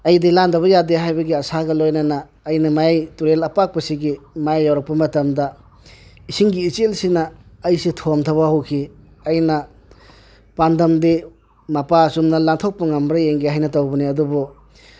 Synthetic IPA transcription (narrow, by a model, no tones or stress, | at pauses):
ɐjdilandɐβɐjadeɦajbɐɡiɐsaɡɐlojnɐnɐː | jnɐmajajtuɾelɐpak̚pɐsiɡimajajːawɾɐk̚pɐmɐtɐmdɐ | isiŋɡiːt͡ʃelsinɐːjsitʰomtʰɐβɐhuwkʰi | ɐjnɐ | pandɐmdi | mɐpasumnɐlaŋtʰok̚pɐŋɐmbɾɐeŋɡihɦajnɐtowbɐniɐdubu